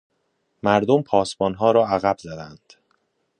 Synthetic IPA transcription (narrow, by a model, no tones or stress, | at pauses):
mæɾd̪ompʰɒːsbɒːnɦɒːɾɒːæɣæbzæd̪ænd̪̥